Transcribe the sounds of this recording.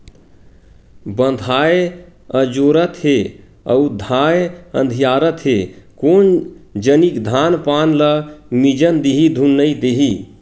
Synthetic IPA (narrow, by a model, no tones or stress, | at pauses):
bə̃nd̪ʱae | əd͡ʒoɾət̪ɦe | ə̰ud̪ʱaeə̰̃nd̪ʱijaɾət̪ɦekond͡ʒənikd̪ʱanpanləmid͡ʒənd̪iɦid̪ʱunːəid̪eɦi